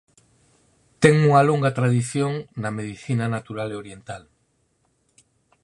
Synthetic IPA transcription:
t̪ɛŋuŋɐloŋɡat̪ɾaðiθjoŋnɐmeðiθinanat̪uɾaleoɾjent̪al

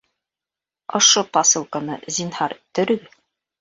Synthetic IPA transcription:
ŏʃopɑsɤ̆lˠkanɤ̰zʲinhɑɾt̪ɵ̆ɾɵ̆ɡɘð

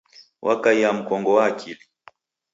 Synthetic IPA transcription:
wʔakaiam̩kɔŋɡɔwaːkʰili

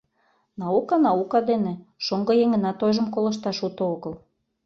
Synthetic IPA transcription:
nɑukɑnɑukɑd̪enĕʃoŋɡɤ̆jeŋə̆nɑt̪ojʒəmkolɤ̆ʃt̪ɑʃut̪ooɣə̆l

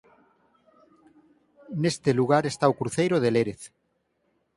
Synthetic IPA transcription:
nest̪eluɣ̞aɾest̪aokɾuθejɾoð̞eleɾeθ

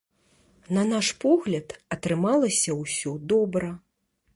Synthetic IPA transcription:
nɐnaʂpɔɣlʲɐt̪ɐt̪ɾɨmalˠɐsʲɐwsʲɔd̪ɔbɾɐ

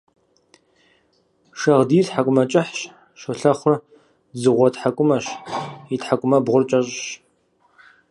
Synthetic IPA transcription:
ʃɐʁdiːrtħakʷʼʊmɐt͡ʃʼɪħɕ | ʃʷʊɬɐχʷʊr | zɨʁʷɔtħakʷʼʊmɐɕitħakʷʼʊmɐbʁʷʊrt͡ʃʼɐɕʼɕ

